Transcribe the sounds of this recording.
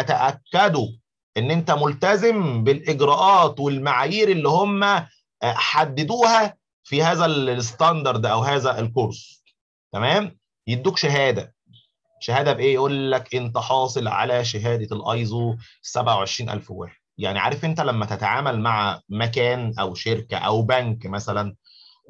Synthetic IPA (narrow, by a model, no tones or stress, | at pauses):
æt̪æʔækːæd̪u | ʔenːʔent̪æmolt̪æzembelʔeɡɾæʔɑːt̪welmaʕaːjiːɾelːihomːæ | ħad̪ːed̪uːhæ | fihæːzælest̪ɑnd̪ɑɾˤd̪ʔæwɦæːzæʔelkoɾˤsˤ | t̪æmæːm | jeb̚d̪ːuːkʃæɦæːd̪æ | ʃæhæːd̪æbeʔeːjʔuːlːækʔent̪æħɑːsˤɨlʕa̰læʃ̬æɦæːd̪ælʔɑ̰jzˤuː | sæbʕawʕeʃɾiːnʔæ̰lfwæ̰ːħed̪̥̚ja̰ʕniʕa̰ːɾefʔent̪ælæmːæt̪æt̪aʕa̰ːmælmaʕmækæːnʔæwʃeɾkæʔæ̰wbæŋkmæsælæn